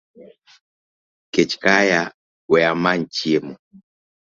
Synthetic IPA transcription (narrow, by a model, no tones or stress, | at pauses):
ket͡ʃkaja | wɛjaman̩t͡ʃiemɔ